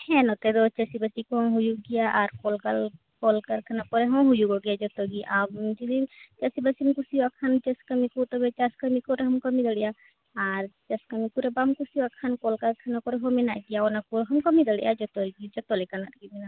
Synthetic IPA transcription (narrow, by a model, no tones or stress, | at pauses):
hɛnɔt̪ɛd̪ɔt͡ʃasibasikuɦɔ̃ɦujuɡijaʔaɾkɔlkal | kɔlkaɾkʰanapɔɾɛɦɔ̃ɦujuɡɔɡɛjad͡ʒɔt̪ɔɡiʔabd͡ʒid̪it͡ʃasibasinkusiwakʰant͡ʃɛskamikut̪ɔbɛt͡ʃaskəmikɔɾɦɔmkɔmid̪əɽɛja | aɾt͡ʃaskamikuɾɛbamkusiwakʰankɔlkaɾkʰanakɔɾɛɦɔmɛnaʔɡijaɔnakuɾɦɔmkɔmid̪əɽɛjʔa̰d͡ʒɔt̪ɔɾɡid͡ʒɔt̪ɔlɛkanat̪ɡimɛna